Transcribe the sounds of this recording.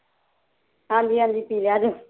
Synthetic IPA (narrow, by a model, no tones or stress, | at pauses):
ɦãːɲd͡ʒiːɦãːɲd͡ʒiːpiːljaːd͡ʒoː